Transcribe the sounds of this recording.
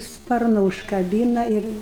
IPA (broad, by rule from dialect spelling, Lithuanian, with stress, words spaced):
ˈspɐrnʊ ʊʃkɐˈbʲiːnɐ ˈɪr